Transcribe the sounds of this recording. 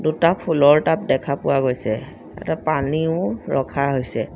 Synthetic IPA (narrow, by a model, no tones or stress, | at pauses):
dutapʰulɔɹtap̚dɛkʰapʊwaɡojsɛ | ɛ̰tɛpaniʊɹɔkʰaɦojsɛ